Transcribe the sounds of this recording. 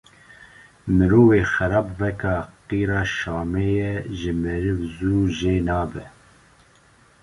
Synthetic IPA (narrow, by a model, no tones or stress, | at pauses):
mɨɾoːveːxɛɾɑːbvɛkɑːqiːɾɑːʃɑːmeːjɛʒɪmɛɾɪvzuːʒeːnɑːbɛ